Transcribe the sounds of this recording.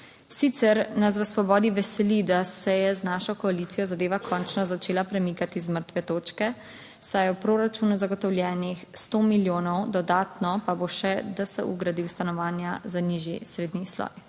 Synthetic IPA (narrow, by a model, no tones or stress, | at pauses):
sit̪sɛɾnas̬ʋəsʋɔbɔːd̪iʋɛsɛlid̪asɛjɛznaʃɔkɔalit̪sijɔzad̪eːʋakʰɔːnt͡ʃnɔzat͡ʃeːlapɾɛmikat̪izməɾt̪ʋɛt̪oːt͡ʃkɛ | sajɛwpɾoːɾat͡ʃuːnuzaɡɔt̪ɔwljɛːnixst̪omiljoːnɔwd̪ɔd̪aːt̪nɔpaboʃɛd̪asɛ̰ʔṵɡɾad̪iwst̪anɔʋaːnjazaniʒḭsɾeːd̪nislɔ̰j